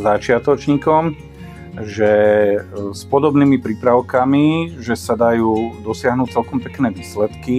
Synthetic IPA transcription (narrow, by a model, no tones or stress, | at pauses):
zat͡ʃɪat̪ɔt͡ʃɲiːkɔm | ʒɛ | spɔd̪ɔbniːmipɾiːpɾaʊkamiʒɛsad̪ajuːd̪ɔsɪaɦnuc̚t͡sɛlkɔmpɛknɛːʋiːslɛt̪ki